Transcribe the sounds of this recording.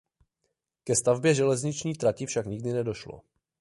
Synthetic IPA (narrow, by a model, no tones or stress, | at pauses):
kɛst̪avbjɛʒɛlɛzɲɪt͡ʃɲiːt̪ɾacɪfʃakɲɪɡdɪnɛdo̞ʃlo̰